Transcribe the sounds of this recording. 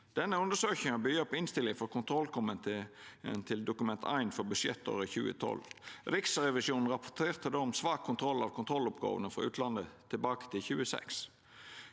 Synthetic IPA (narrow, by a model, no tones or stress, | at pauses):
d̪̥ɛnːəʉnd̪əsøːçɪŋɑbʏjøpːɪnst̪ɪlːɪŋfɔɾkʰʊnt̪ʰɾɔlkʰɔmət̪nt̪ʰɪld̪ʊkʉmɛnt̪ʰæ̰ɪnfɔɾbʉsjɛt̪ʰːo̰ːʋəçʉːə̰t̪ʰɔ̰lɾɪksɾɛʋɪʃuːnn̩ɾɑpʰɔt̪ʰeːʁt̪ʰəd̪omsʋɑːkʰːʊnt̪ʰɾɔlːɑʋkʰʊnt̪ʰɾɔlʊpɡɑ̰ːʋənəfɾɑ̰ʉːt̪lɑnət̪ʰɪlbɑːkə̥t̪ʰɪlçʉːəsɛ̰ks